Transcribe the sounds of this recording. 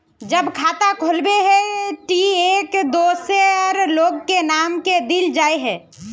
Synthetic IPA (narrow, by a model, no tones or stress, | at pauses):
d͡ʒəbkʰaːt̪akʰolbeɦɛ̃ʈieːkd̪oːseɔɾloːɡkenaːmked̪ild͡ʒaːeɦɛ̃ː